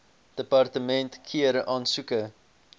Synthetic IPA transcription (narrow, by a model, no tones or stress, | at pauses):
d̥əpɑrtəmɛntkʰiəɾʔɑːnsukə